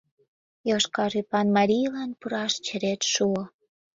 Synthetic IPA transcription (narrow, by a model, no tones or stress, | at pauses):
joʃkɑɾipɑnmɑɾʲijlɑnpuɾɑʃt͡ɕə̆ɾet̪ʃuo